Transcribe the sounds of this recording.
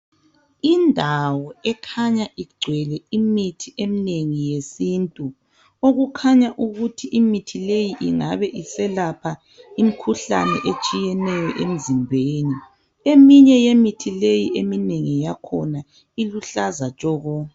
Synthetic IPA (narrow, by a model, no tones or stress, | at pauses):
indʱawɔɛkʰaɲaʔiɡ͡ǀʱwɛlɛimitʰiʔemineŋijesintʼu | oɣukʰaɲaʔuɣutʰiʔimitʰilejiʔiŋaβɛʔisɛlapʰa | imikʰuɬa̰nɛ̰ʔet͡ʃʼijɛnɛjɔʔem̩zimbʱeːni | emiɲɛjemitʰilejiemineŋijakʰɔna | iluɬazat͡ʃʼɔːɣɔ